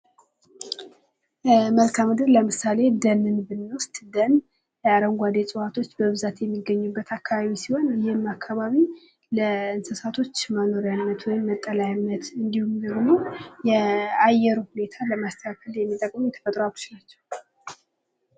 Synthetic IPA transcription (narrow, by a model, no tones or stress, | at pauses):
məlkʰamɨd̪ɨɾləmɨsale̞d̪ənɨnbɨnːwʊst̪ʼd̪ən | jɛaɾəŋɡʷad̪esʼɨhat̪ʰo̞t͡ʃːbəβɨzat̪jɛmːiɡəɲːubːət̪ʰakʰːaβaβisiho̞njɪhmakʰːaβaβi | ləɨnsəsat̪ʰo̞t͡ʃːməno̞ɾjanːət̪wɔjɪmːət̪ʼːəlajnːət̪ɨnd̪ihumd̪əɡmojɛajɛɾuhune̞t̪ʰaləmast̪ʰəakʰəljɛmːit̪ʼəkʼmujɛt̪ʰə̥fət̪ʼɾoalut͡ʃnat͡ʃːɛ̥w